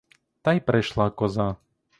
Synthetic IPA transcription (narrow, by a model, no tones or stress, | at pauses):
t̪ajpɾɛʃlˠakɔza